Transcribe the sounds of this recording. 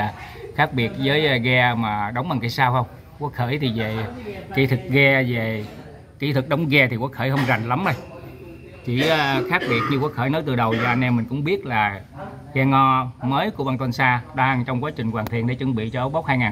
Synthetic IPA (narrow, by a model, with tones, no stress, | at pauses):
a˨˩ | xaː˦˥k̚ɓi˨˩ət̚zəː˨˦jɣɛ˧maː˨˩ɗə˨˦wŋ͡mɓa˨˩ŋki˨˧˩saː˧wxə˧wŋ͡m | kɔ˨˦xəː˧˩jt̪ʰi˨˩ve˨˩ki˧˦t̪ʰɨ˨˩k̚ɣɛ˧ve˨˩ | ki˧˩t̪ʰɨ˨˩k̚ɗə˨˦wŋ͡mɣɛ˧t̪ʰi˨˩kɔ˨˦xəː˧˩jɦə˧wŋ͡mza˨˩ŋla˨˦mʔə˧j | t͡ɕi˧˩˧xaː˦˥k̚ɓi˨˩ət̚ɲɨ˧kwaː˨˦xəː˧˩jnəː˨˦jt̪ɨ˨˩ɗə˨˩wzɔː˧˩ʔa˧ŋ̟ʔɛ˧mːï˨˩ŋ̟kʊ̰˧˥ŋ͡mɓi˦˥ət̚laː˨˩ | ɣɛ˧ŋɔ˧məː˨˦jku˧˩əɓaː˧nt̪wə˧nsaː˧ɗaː˧ŋt͡ɕɔ˧wŋ͡mkwaː˨˦t͡ɕï˨˩ŋ̟kwaː˨˩nt̪ʰi˧˨ənɗe˧˩t͡ɕɨ˧ŋɓḭ˧˨t͡ɕɔ˧ʔə˨˦˥ɓk͡p̚haː˧jŋaː˨˩n